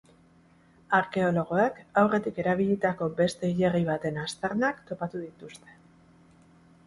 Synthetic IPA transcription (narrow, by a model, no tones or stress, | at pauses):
aɾke̞o̞lo̞ɣ̞o̞ekawre̞t̪ike̞ɾaβ̞iʎit̪ako̞be̞st̪e̞iʎe̞riβ̞at̪e̞nast̪eɾnakt̪o̞pat̪uðit̪ust̪e̞̥